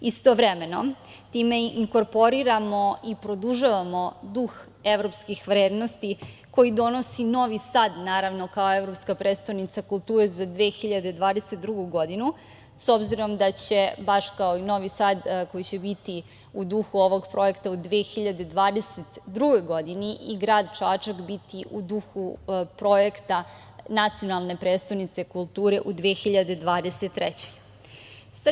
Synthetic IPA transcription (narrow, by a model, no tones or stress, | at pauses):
ist̪oʋɾeme̞no̞̰ | t̪iːme̞iŋko̞ɾpo̞ɾiɾamo̞ipɾo̞d̪uʒaʋamo̞d̪ux | e̞ʋɾo̞pskixʋɾeːd̪no̞st̪iko̞jid̪o̞no̞sino̞ʋisaːd̪naːɾaʋno̞kao̞evɾo̞pskapɾet̪st̪ojnit̪sakulˠt̪uːɾezad̪ʋexiʎad̪ed̪ʋaːd̪eset̪d̪ɾuɡuɡo̞d̪inu | so̞bziɾo̞md̪at͡ɕe̞baʃkaoino̞ʋisaːd̪ko̞jit͡ɕe̞bit̪i | ud̪uxuo̞ʋo̞ɡpɾo̞je̞kt̪aud̪ʋeːxiʎad̪e̞d̪ʋaːd̪e̞set̪d̪ɾuɡo̞jɡo̞d̪iniʔiɡɾaːd̪t͡ʃaːt͡ʂakbit̪iʔud̪uxupɾo̞jekt̪a | nat̪sio̞nalˠne̞pɾed̪st̪avnit̪se̞kulˠt̪uːɾe̞ʔud̪ʋexiʎad̪e̞d̪ʋaːd̪eset̪ːɾɛt͡ɕe̥j | sa